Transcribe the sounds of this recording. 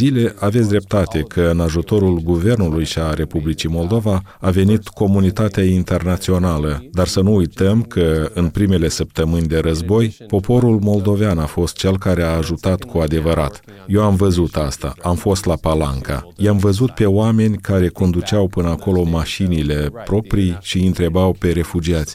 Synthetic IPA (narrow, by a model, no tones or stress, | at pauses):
zile̞ʔavetsʲd̪ɾe̞p̚t̪at̪e̞kʰəɨnaʒut̪o̞ɾulɡuve̞rnulujʃiaɾe̞publit͡ʃimo̞ld̪o̞vaave̞nit̪ko̞munit̪at̪eaint̪e̞rnat̪sio̞naləd̪arsənuujt̪əmkʰəɨnpɾime̞le̞səp̚t̪əmɨnʲd̪e̞ɾəzbo̞jpo̞pʰo̞ɾulmo̞ld̪o̞veanafo̞st̪̚t͡ʃe̞lkaɾe̞aːʒut̪at̪kʰuad̪e̞vəɾʔa̰t̪ | je̞wamvəzut̪ast̪a̰amfo̞st̪lapala̰ŋka̰jamvəzut̪̚pe̞oame̞nʲkaɾe̞ko̞nd̪ut͡ʃawpɨnəako̞lo̞maʃinile̞pɾo̞pɾijʃiɨnt̪ɾe̞bawpe̞ɾe̞fud͡ʒiat̪sʲ